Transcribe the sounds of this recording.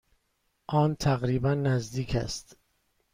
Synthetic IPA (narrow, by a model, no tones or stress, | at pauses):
ʔɒːnt̪ʰæɣɾiːbænːæzd̪iːcʰæ̰st̪